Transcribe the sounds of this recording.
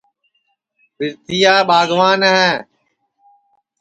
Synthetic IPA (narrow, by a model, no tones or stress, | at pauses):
fɪɾt̪ɪjaːɓaːɡʋaːnəɦɛː